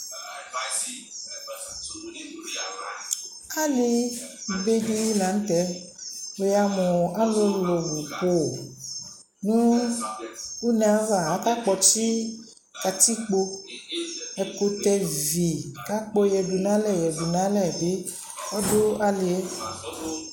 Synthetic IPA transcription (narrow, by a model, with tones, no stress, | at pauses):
ka˦li˦˨ | be˦ɖi˦la˨˦n̩˦t̪ɛ˨˦ | wo˨ja˨mɔ̃˨a˦lo˦lo˨vu˨ko˨ | nũ˦ | u˦nɛ̃˨a˦va˨ɦa˨˦ka˦k͡pɔ˨ti˦ | ka˨t̪i˦k͡po˦ | ɛ˨ko˨t̪ɛ˦˨vi˨ka˦k͡pɔ˦jɛ˨du˨nã˦lɛ˦˨jɛ˨ɖu˨nã˦lɛ˨be˦ | ɔ˦do˦a˦le˨ɛ˦